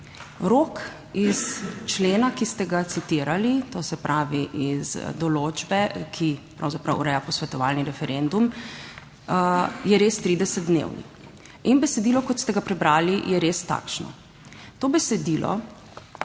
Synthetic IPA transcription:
ɾoːk | ist͡ʃleːnakist̪ɛɡat̪sit̪iːɾalit̪oːsɛpɾʔaːʋiʔizd̪ɔloːd͡ʒbɛkʰipɾa̰wzapɾa̰wɾɛjapɔsʋɛt̪ɔʋaːlniɾɛfɛɾend̪um | jɛɾest̪ɾiːd̪ɛsɛd̪̚d̪nḛwnḭ | inbɛsɛd̪iːlɔkɔt̪st̪ɛɡapɾɛbɾaːlijɛɾest̪a̰ːkʃnɔ̰ | t̪oːbɛsɛd̪iːlɔ̰

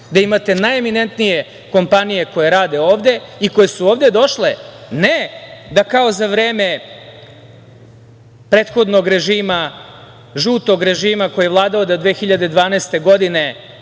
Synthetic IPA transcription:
d̪aimat̪e̞najemine̞nt̪nije̞ | ko̞mpanije̞ko̞je̞ɾaːd̪e̞o̞ːʋd̪e̞iko̞jesuoːʋd̪e̞d̪o̞ʃlened̪akao̞zaʋɾeːme̞ | pɾe̞ːt̪xo̞d̪no̞ɡɾe̞ʒiːma | ʒuːt̪o̞ɡɾe̞ʒiːmako̞jeʋlˠaːd̪aod̪ad̪ʋeːxiʎad̪ed̪ʋaːneːst̪e̞ɡo̞d̪ine̞

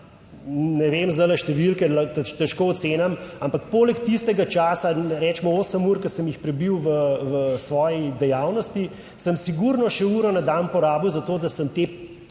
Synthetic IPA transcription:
nɛʋeːmzd̪ajlaʃt̪ɛʋilkɛlt̪t̪ɛʃkoːɔt̪seːnamampakpoːlɛkt̪ist̪ɛɡat͡ʃaːsaɛɾɛːt͡ʃmɔoːsəmuːɾkɐsəmjixpɾɛbiwʋəʋəsʋɔːjid̪ɛjaːwnɔst̪i | səmsiɡuɾnɔʃɛuːɾɔnad̪anpɔɾaːbiwzat̪oːd̪asəmt̪e

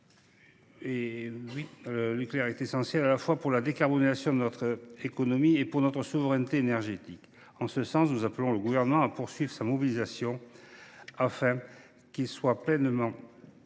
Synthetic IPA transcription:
ewilənykleɛʁɛt̪esɑ̃sjɛlalafwapuʁlad̪ekaʁbɔnezasjɔ̃d̪ənɔt̪χekɔnɔmiepuʁnɔt̪χəsuvəʁɛnət̪eːnɛʁʒet̪ik | ɑ̃səsɑ̃snuzapəlɔ̃ləɡuvɛʁnəmɑ̃apuʁsɥivʁə̥samɔbilizasjɔ̃ | afɛ̃ | kilswaplɛnmɑ̃

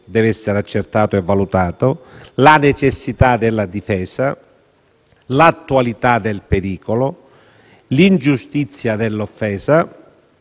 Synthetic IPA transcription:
d̪ɛːvɛsːeɾat͡ʃːert̪aːt̪oɛvːalut̪aːt̪ʊlanet͡ʃesːit̪ad̪ɛlːad̪ifɛːsa | lat̪ːualit̪ad̪elpeɾiːkolo | lind͡ʒust̪it̪sːjad̪elːofːɛːza

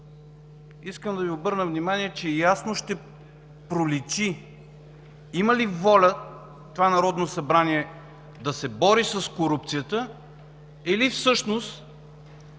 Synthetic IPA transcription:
iskəmd̪ɐviobɤɾnəvnimaniɛt͡ʃɛjasnoʃt̪ɛ | pɾolisi | iməlivɔlʲə | t̪ovanɐɾɔd̪nosɐbɾaniɛ | d̪ɐsɛbɔɾisɐskoɾup̚t̪sijət̪ə | ɛlifsɤʃnost̪

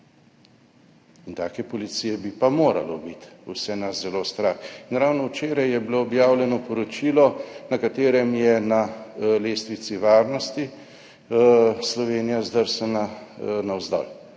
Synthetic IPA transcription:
int̪aːkɛpɔlit̪sijɛbipamoːɾa̰lɔbit̪ṵsɛnaszɛlost̪ɾaxinɾawnɔwt͡ʃeːɾajjɛbiloːbjaːwlʲjɛnɔpɔɾɔt͡ʃilɔnakat̪eːɾɛmjɛnaleːst̪ʋit̪siʋaːɾnɔst̪i | slɔʋeːnijazd̪əɾsɛnanawzd̪ɔ̰l

